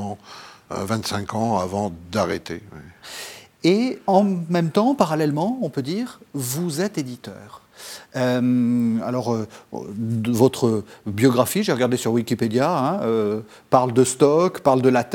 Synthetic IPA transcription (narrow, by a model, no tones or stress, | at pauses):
ɑ̰̃ | vɛ̃t̪sɛ̃kɑ̃avɑ̃d̪aʁḛt̪ḛwi | eɑ̃mɛmt̪ɑ̃paʁalɛlmɑ̃ɔ̃pød̪iːʁvuzɛt̪ed̪it̪œːʁ | øma̰lɔʁø̰ | vɔt̪χəbjɔɡʁafiʒeʁəɡaʁd̪esyʁwikʲiped̪jaɛ̃ø | paʁld̪əst̪ɔkpaʁld̪əlat̪